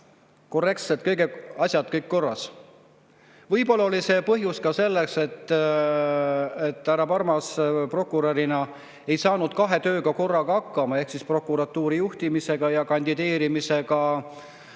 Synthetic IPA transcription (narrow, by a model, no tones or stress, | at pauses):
ko̞rːe̞kt̪selt̪̚kɤjɡeɑsʲjɑd̪̥̚kɤjkːko̞rːɑs | vɤjpo̞lːɑolise̞pɤɦjuskɑse̞lːe̞kse̞t̪ːˑ | et̪ːhæɾɑpɑɾmɑspro̞kːˑuɾɑɾinɑ | ejsɑːnud̪̥kɑɦe̞t̪ø̞ːɡɑko̞rːɑɡ̥ɑɑkːˑɑmɑe̞hksispro̞kːˑuɾɑt̪ːuːɾijuht̪imise̞ɡ̥ɑjɑkɑnʲd̪̥id̪̥e̞ːɾimise̞ɡɑ